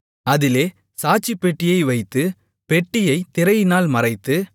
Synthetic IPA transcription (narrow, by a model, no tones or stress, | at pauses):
ɐðɪleː | saːt͡ʃːipːɛʈːɪjɐɪʋɐɪt̪ːɯ | pɛʈːɪjɐɪt̪ɪɾɐjnaːlmɐɾɐɪt̪ːɯ